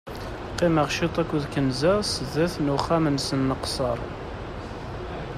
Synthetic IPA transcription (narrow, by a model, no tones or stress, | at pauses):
qːɪməʁʃit̪ˤækʷːʊðkənzæsəðæθnuχæmənsənːəqsˤə̰ɾˤ